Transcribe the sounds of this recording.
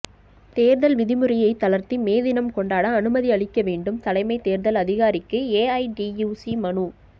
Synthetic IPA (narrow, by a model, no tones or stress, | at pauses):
t̪eːɾðɐlʋɪðɪmɯɾɪjɐɪt̪ːɐlɐɾt̪imeːðɪnɐmkɔɳɖaːɽɐːnɯmɐðiɐɭɪkːɐʋeːɳɖɯmt̪ɐlɐɪmɐɪt̪eːɾðɐlɐðɪɣaːɾɪkːɯeːɐɪɖijuːsimɐɳuː